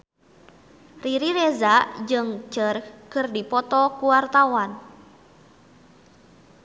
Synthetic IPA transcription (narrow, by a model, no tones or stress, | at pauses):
riɾiɾɛzad͡ʒɨŋt͡ʃərkɨrdipɔt̪ɔkuwart̪awan